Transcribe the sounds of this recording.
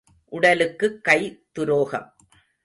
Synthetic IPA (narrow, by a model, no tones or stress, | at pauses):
ʔʊɽɐlɯkːɯkːɐɪt̪ʊɾoːɣɐ̰m